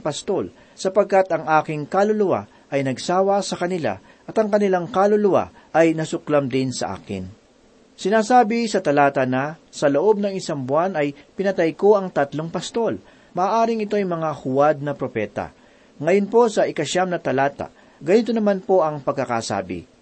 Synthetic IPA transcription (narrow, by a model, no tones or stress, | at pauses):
pɐst̪o̞l | sɐpɐɡ̚kat̪ɐŋʔaːkɪŋkalolʊwa̰ | ʔɐjnɐɡ̚saːwɐsɐkɐnɪla̰ | ʔɐt̪ɐŋkɐnɪlaŋkalolʊwa̰ | ʔɐjnɐsʊklamd̪ɪnsɐ̰ʔa̰ːkɪ̰n | sɪnaːsaːbɪsɐt̪ɐlaːt̪ɐnɐsɐloʔo̞b̚nɐŋɪsaŋbʊanɐjpɪnɐt̪ajko̞ɐŋt̪ɐt̪lo̞ŋpɐst̪o̞l | mɐʔaːʔaːɾɪŋɪt̪o̞jmɐŋahʊwad̪̚nɐpɾo̞pɛːt̪ɐ̰ | ŋɐjonpo̞sɐʔɪkɐʃamnɐt̪ɐlaːt̪a̰ | ɡɐnit̪onɐmanpo̞ʔɐŋpɐɡ̚kːɐka̰ːsa̰ːbɪ̰